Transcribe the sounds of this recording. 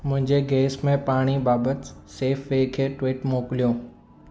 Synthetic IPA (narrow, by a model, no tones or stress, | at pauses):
mʊ̃ɦɪ̃ɲd͡ʑeɡɛːsmẽpaːɽ̃ibaːbət̪ɪ̥seːfʋeːkʰeːʈʋɪʈmoːkɪlijõː